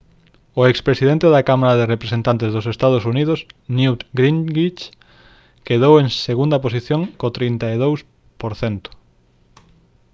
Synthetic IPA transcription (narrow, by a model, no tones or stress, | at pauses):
oekspɾesið̞ent̪eðakamaɾaðerepɾesent̪ant̪ezðosest̪að̞osuniðosnut̪ɡɾiŋɡit͡ʃ | keðoweŋseɣund̪aposiθjõŋkot̪ɾint̪aiðows | poɾθent̪ʊ̥